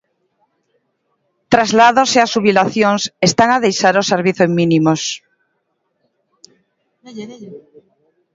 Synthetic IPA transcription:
t̪ɾazlaðoseasuβilaθjoŋsest̪aŋaðejʃaɾoseɾβiθozmĩnimos

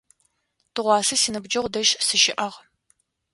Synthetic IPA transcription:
tɨʁʷɑːsɐsiːnɨbd͡ʒɐʁʷʊdɐʒsɨʃɪʔɐʁ

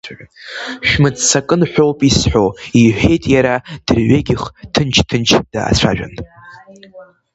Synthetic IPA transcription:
ʃᶣmɨt͡ssakʼɨnħʷo̞wpʼisħoiħʷᶣe̞jtʼjaɾad̥ɨrɥeɡʲɪχtʰɨnt͡ʃʰtʰɨnt͡ʃʰd̥a̰ːt͡sʷʰa̰ʒᶣa̰n

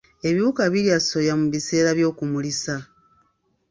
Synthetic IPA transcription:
e̞βiβukaβiliaso̞jamuβise̞ːɾaβjo̞ːkumulisa

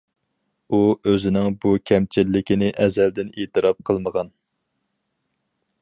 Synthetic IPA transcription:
uøzɪnɪŋbukʲʰɛmt͡ʃʰilːɪkʲinɪʔɛzɛld̪ɪneːt̪ʰɨɾɑp̚qʰəlˠməʁɑn

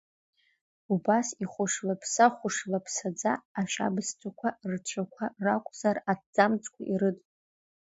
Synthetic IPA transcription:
ubasiχʷʊʂlapʰsaχʷʊʂlapʰsad͡zaːʃʷa̰bɨstʷʰʼakʷʰart͡ʃʷʰakʷʰarakʷʼz̥aradd͡zamt͡sʼkʷʰaʔiɾɨtʼ

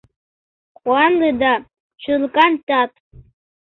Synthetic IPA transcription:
χwʷanleda | t͡ʃʷʰʊlkʼantʼatʼ

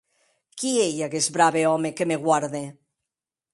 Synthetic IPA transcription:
kieʎakezbɾaβeɔmekemeɣwaɾðe

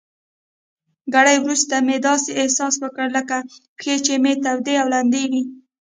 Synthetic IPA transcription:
ɡaɽajwɾust̪amed̪ɑseɪhsɑswəkəɽləkapxet͡ʃemet̪awd̪eawland̪ewi

